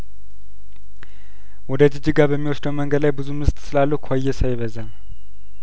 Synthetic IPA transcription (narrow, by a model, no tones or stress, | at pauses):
wɔd̪əd͡ʒɨd͡ʒiɡabəmːiwɔsd̪əwməŋɡəd̪lajbɨzumɨst̪ʼsɨlalːuhkʰajːɛsajɪβəzan